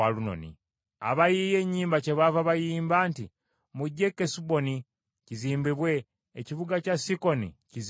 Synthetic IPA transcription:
aluno̰nḭ | a̰βajije̞ɲːiːmbaceβavaβajiːmbaːnti | muɟːe̞kːesubo̞ni | ciziːmbiβwe̞ː | ciβuɡacasiko̞nḭciz

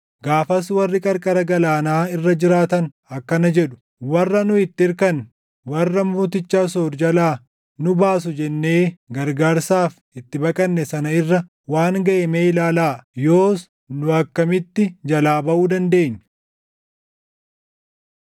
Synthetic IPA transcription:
ɡaːfɐswɐrːɪkʼɐɾkʼɐɾɐɡɐlaːnaːɪrːɐd͡ʒɪɾaːt̪ɐn | ɐkːɐnɐd͡ʒɛɗʊ̥ | wɐrːɐnʊɪt̪ːɪɪɾkɐn | wɐrːɐmuːt̪̬ɪt͡ʃːaːs̬oːɾd͡ʒɐlaː | nʊbaːs̬ʊd͡ʒɛnːe̞ːɡɐɾɡaːɾsaːf | ɪt̪ːɪbɐkʼɐnːɛsɐnɐɪrːɐ | waːŋɡɐʔemeːɪlaːlaːjoːs | nʊɐkːɐmɪt̪ːɪd͡ʒɐlaːbɐʔuːd̪ɐnd̪e̞ːɲː

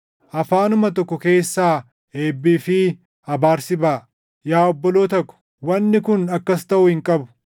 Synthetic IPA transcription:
ʔɐfaːnʊmɐt̪ɔkːɔke̞ːsːaː | e̞ːbːiːfɪ | ɐbaːɾsɪbaː | jaːɔbːɔloːt̪ɐkːʊ̥ | wɐnːɪkʊnɐkːɐst̪ɐʔʊhɪŋkʼɐbʊ̥

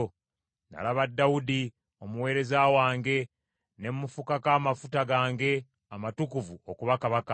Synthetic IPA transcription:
na̰laβadːawudi | o̞muwe̞ːɾe̞zaːwaːŋɡe̞ | ne̞mmufukakaːmafutaɡaːŋɡe̞ | amatukuvuokuβakaβaka

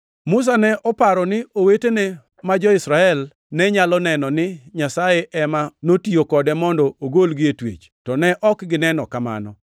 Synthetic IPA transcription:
mʊs̬anɛʔɔpaɾɔnɪʔowetene | mad͡ʒɔɪsɾaɛl | nɛɲalɔnɛnɔnɪɲasajeʔɛmanotiokɔdɛmɔndɔoɡolɡɪetwḛt͡ʃ | tɔnɛʔɔkɡɪnɛnɔkama̰nɔ̰

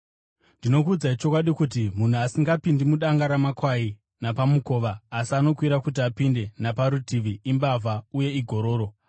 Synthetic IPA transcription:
ndino̞kuːd͡zait͡ʃo̞kwaɗikut̬imun̤uasiŋɡapindimuɗaŋɡaɾamakwai | napamuko̞ːʋaːsiano̞kwiɾakut̬iapinde̞napaɾutʰiʋiimbavʱauje̞iɡʱo̞ɾo̞ːɾo̞

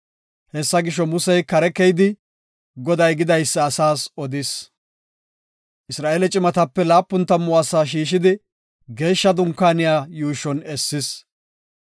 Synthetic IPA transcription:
hɛsːɐɡɪʃːɔmʊsɛjkɐɾɛkɛjd̪ɪ | ɡɔd̪ɐjɡɪd̪ɐjsːɐːsaːsɔd̪ɪs | ʔɪsɾaːʔelɛt͡ʃʼɪmɐt̪ɐpːɛlaːpːʊnt̪ːɐmːʊɐsaːʃ̬iːʃ̬ɪd̪ɪ | ɡe̞ːʃːɐd̪ʊŋkːaːnɪjaːjuːʃɔnɛsːɪs

